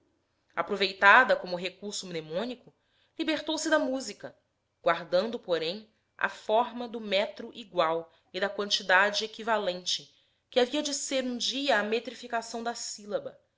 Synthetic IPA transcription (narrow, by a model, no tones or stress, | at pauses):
apɾovejt̪ad̪ɐkõmʊɦekuɾsʊmnemõnikʊ | libeɾt̪owsɪd̪ɐmuzikɐ | ɡ̥waɾd̪ɐ̃nd̪ʊpoɾẽj̃ | a̰fɔɾmɐd̪ʊmɛt̪ɾʊʔiɡwaw | id̪ɐkwɐ̃nt͡ʃid̪ad͡ʒɪekivalẽnt͡ʃɪ | kɪaviɐd͡ʒɪseɾũd͡ʒiɐːmet̪ɾifikasɐ̃w̃d̪ɐsilɐbɐ